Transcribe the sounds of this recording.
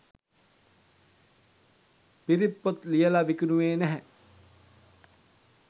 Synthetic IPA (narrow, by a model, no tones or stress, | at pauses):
piɾipːot̪lijəlaʋikunuʋeːnæɦɛ